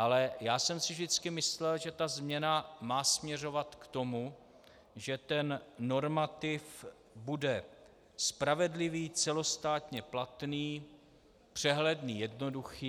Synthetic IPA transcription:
ʔalɛjaːsɛmsɪvʒdɪt͡skɪmɪslɛlʒɛt̪azmɲɛnamaːsmɲɛr̝o̞vat̪kt̪o̞mu | ʒɛt̪ɛnːo̞ɾmat̪ɪf | budɛ | spɾavɛdlɪviːt͡sɛlo̞st̪aːt̪ɲɛplat̪niː | pr̥ɛɦlɛdniːjɛdno̞duxiː

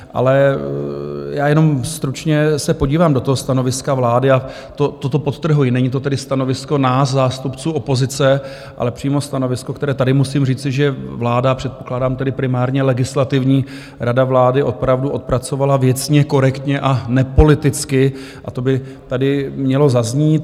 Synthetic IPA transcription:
ʔa̰lɛ | jaːjɛno̞mst̪ɾut͡ʃɲɛsɛpo̞ɟiːvaːmdot̪oɦost̪anovɪskavlaːdɪa | t̪ot̪ot̪o̞po̞t̪t̪ːr̩ɦujɪnɛɲɪt̪̬o̞t̪ɛdɪst̪ano̞vɪsko̞naːszaːst̪upt͡suːo̞po̞zɪt͡sɛ | ʔa̰lɛpr̝̥iːmo̞st̪ano̞vɪskokt̪ɛɾɛːt̪adɪmusiːmriːt͡sɪʒɛvlaːdapr̝̥ɛt̪po̞klaːdaːmt̪ɛdɪpɾɪmaːɾɲɛlɛɡɪslat̪ɪvɲiː | ɾadavlaːdɪʔo̞pɾavduʔo̞t̪̚pɾat͡so̞valavjɛt͡sɲɛko̞ɾɛkt̪ɲɛʔanɛpo̞lɪt̪ɪt͡skɪ | ʔat̪o̞bɪ | t̪adɪmɲɛlo̞zazɲiːt̪

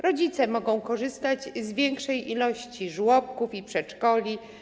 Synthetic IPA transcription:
ɾɔd͡ʑit̪sɛmɔɡɔ̃w̃kɔʐɘst̪ad͡ʑzvʲjɛŋkʂɛjʔilɔɕt͡ɕiʐwɔp̚kufipʂɛt͡ʂkɔlʲi

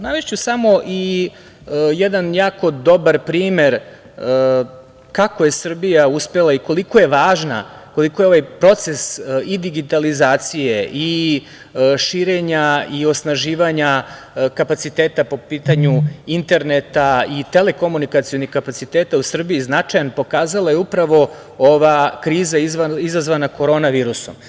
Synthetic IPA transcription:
unaʋeʃt͡ɕusamo̞ʔi | jɛd̪anjaːko̞d̪o̞baɾpɾiːme̞ɾ | kako̞je̞sr̩bijauspe̞lˠaiko̞likoje̞ʋaːʒna̰ko̞liko̞jeo̞ʋajpɾo̞t̪se̞sid̪iɡit̪alizaːt̪sijeʔi | ʃiːɾe̞ɲaio̞snaʒiːʋaɲa | kapat̪sit̪e̞ːt̪apo̞piːt̪aɲuint̪e̞ɾnet̪ait̪e̞le̞ko̞munikat̪sijo̞nixkapat̪sit̪et̪ausr̩biiznat͡ʂajanpo̞kaːzalˠajeupɾaʋo̞ | oʋakɾiːzaizʋaizazʋanako̞ɾo̞ːnaʋiːɾuso̰m

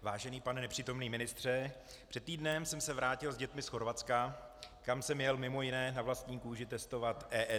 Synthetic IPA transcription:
vaːʒɛniːpanɛnɛpr̝̥iːt̪o̞mniːmɪnɪst̪r̝̥ɛ | pr̥ɛt̪tːiːdnɛmsɛmsɛvɾaːcɪlzɟɛt̪mɪsxo̞ɾvat̪t͡skakamsɛmjɛlmɪmo̞jɪnɛːnavlast̪ɲiːkuːʒɪt̪ɛst̪o̞vat̪ʔɛːʔɛ

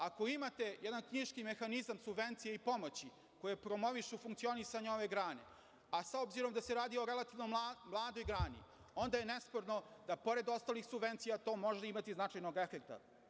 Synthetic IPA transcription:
ako̞imat̪e̞jɛd̪ankɲiʃkime̞xanizamsubʋe̞nt̪sijeipo̞mo̞t͡ɕi | ko̞jepɾo̞mo̞ʋiʂufuŋkt̪sio̞nisaɲeoʋe̞ɡɾaːne̞̰ | asaobziɾo̞md̪aseɾaːd̪io̞ɾe̞lat̪iʋnomlˠaːd̪o̞jɡɾaːnḭ | o̞nd̪ajene̞spoɾno̞d̪apo̞ɾe̞d̪o̞st̪aːlixsubʋe̞nt̪sijat̪o̞ːmo̞ʒaimat̪iznat͡ʂajno̞ɡefek̚t̪a̰

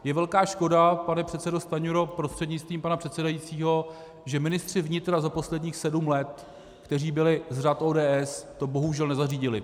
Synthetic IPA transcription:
jɛvɛlkaːʃko̞dapanɛpr̥ɛt̪sɛdo̞st̪aɲoɾopɾo̞st̪r̥ɛdɲɪt͡st̪viːmpanapr̥ɛt̪sɛdajit͡siːɦo̞ | ʒɛmɪnɪst̪r̝̥ɪvɲɪt̪ɾazapo̞slɛdɲiːxsɛdumlɛt̪ | kt̪ɛriːbɪlɪzrat̪ʔoːdɛːʔɛst̪o̞bo̞ɦuʒɛlnɛzariːɟɪlɪ

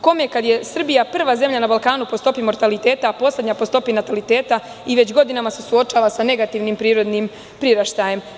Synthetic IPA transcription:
ko̞mjekad̪je̞sr̩bijapr̩ʋaːze̞mʎanabalkaːnupo̞st̪o̞pimo̞ɾt̪alit̪e̞ːt̪apo̞slʲe̞d̪ɲapo̞st̪o̞pinat̪alit̪e̞ːt̪a | iʋe̞t͡ɕɡo̞d̪inamase̞suo̞t͡ʃaːʋasane̞ɡat̪iːʋnimpɾiːɾo̞d̪nim | pɾiɾaʃt̪aːje̞m

